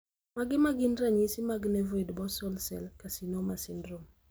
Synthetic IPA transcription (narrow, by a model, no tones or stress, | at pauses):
maɡɪmaɡɪnɾaɲisɪmaɡnɛvoedbɔsɔlsɛ̰lkasinomasɪndɾom